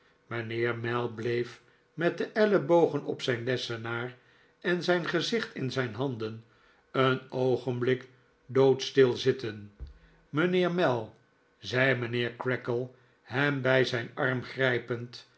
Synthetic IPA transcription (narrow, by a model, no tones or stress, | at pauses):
mənɪːɹmɛlˠblejf | mɛt̚dəʔɛləbowχənɔ̰psɛjnlɛsənaːr | ɛnzɛjnχəzɪχtɪnzɛjnɦɑndən | ənowχənblɪk | dowtstɪlˠzɪtən | mənɪːɹmɛlˠ | zɛjmənɪːɹkɹɛkəlˠ | hɛmbɛjzɛjnɑɹmχrɛjpənt